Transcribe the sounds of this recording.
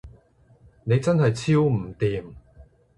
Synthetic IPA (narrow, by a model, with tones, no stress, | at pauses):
ne˨˧jt͡sɐ˥nɦɐ˨jt͡sʰiː˥wm̩˨˩t̪iː˨m